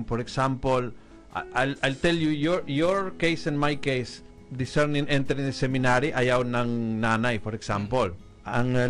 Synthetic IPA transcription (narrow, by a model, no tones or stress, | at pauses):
mfɔɹɛksãmpol | ʔʔajlʔajlt̪ɛljujoɹjoɹkejsɛ̃nmajkejs | d̪ɪsɛɹnɪ̃ŋɛ̃nt̪ɛɾɪ̃ŋd̪sɛmɪnaɾiʔɐjawnɐŋnaːnajfɔɾɛksampol | ʔɐŋ